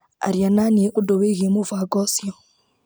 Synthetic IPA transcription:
a̰ɾiananieʔudɔweɣemuvaɡɔsiɔ

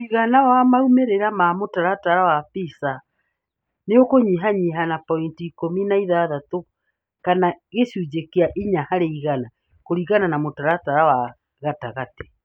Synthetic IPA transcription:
iɣanawamaumeɾeɾamamotaɾataɾawapisa | neokoɲiɦaɲiɦanapɔintiːkominaiðaðato | kanaɣeʃud͡ʒekeaʔiɲahaɾeiɣana | koɾiɣananamotaɾataɾawa | ɣataɣate̥

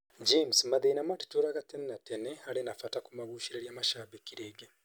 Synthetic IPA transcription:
d͡ʒemsmaðeinamati̥toɾaɣatenenateneaɾenafatakumaβuːʃiɾeɾjamaʃaːβekiɾeːɡe

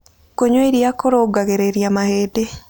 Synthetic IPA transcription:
koɲweiɾijakoɾoɡaɣeɾeɾjamaheːde

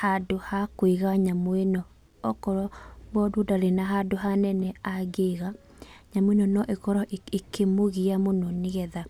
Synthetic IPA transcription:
hadohakweɣaɲamwenɔ | ɔkɔɾɔβɔdodaɾenaɦadoɦanɛnɛaɡeɣa | ɲamwenɔnɔʔekɔɾɔekemoɣiamonɔneɣɛða

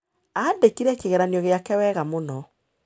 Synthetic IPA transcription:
adekiɾɛkeɣɛɾaniɔɣeakɛwɛːɣamonɔ

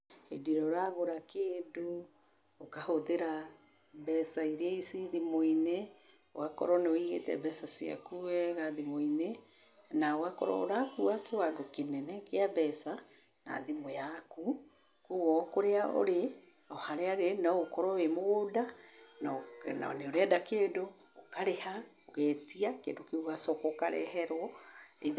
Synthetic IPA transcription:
ḛdiɾɔɾaɣoɾakeːdo | okahoðeɾa | bɛsaiɾeisiðimoine | wakɔ̰ɾɔneoiɣḛtɛ̰bɛsasia̰kuɛɣaðimoine | nawakɔ̰ɾɔ̰o̰ɾakuwakewaɡokenɛnɛkeabɛsa | na̰ðemojaku | kuɣɔkoɾeao̰ɾe | ɔhaɾeaɣenɔokɔɾɔwemoɣodanɔna̰neoɾeadakeːdoː | kaɾehaoɣɛːtiakḛdokeuɣasɔkokaɾɛ̰hɛɾwɔe

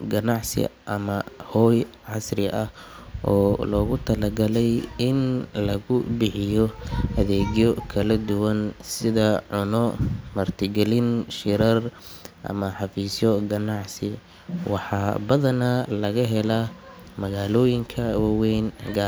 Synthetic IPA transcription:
ɡɐnɑʕsɪ̰ʔɐmɐhɔːj | ʕɑsrɪʔɐhʔɔːlɔːɣʊt̪ʰɐlɐɡɐlɛjɪnlɐɣʊbɪħɪjɔhɐðɛːɣjɔkʰɐlɐd̪ʊwɐnsɪðɐʕʊnɔmɐrt̪ʰɪɡɛlɪnʃɪɾɐr | ʔɐ̰mɐħɑfiːsjɔɡɐnɑʕsɪ | wɑħɑːbɐðɐnalɐɣɐɦɛla | mɐɣaːlɔːjɪŋkʰɐwɑwɛːnɡaː

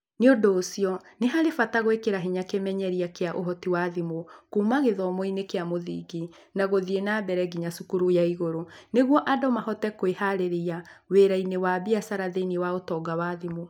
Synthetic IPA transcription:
neodoːsiɔneɦaɾefataɣwekeɾaɦiɲakemɛɲɛɾiakeaʔoɦɔtiwaðimokumaɣeðɔmoinekeamoðḭːɡi | naɣoðienabɛɾɛɡiɲasukuɾujaiɣoɾoneɣwɔʔadɔmahɔtɛkoehaɾeɾeaweɾainewabiasaɾaðenewaotɔːɡawaðimo

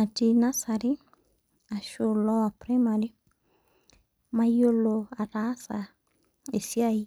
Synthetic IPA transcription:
atinasaɾi | aʃolɔapɾamaɾi | majoloaɾasa̰ | esiai

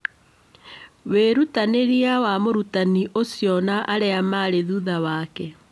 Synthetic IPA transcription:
weɾutaneɾiawamoɾutaniʔosjɔnaʔaɾeamaɾeðuðawaːkɛ

